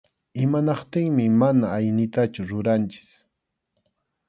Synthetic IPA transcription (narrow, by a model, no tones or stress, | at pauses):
ɪmanɑqt̪ɪŋmɪmanaːjnɪt̪at͡ʃʊɾʊɾant͡ʃɪ̥s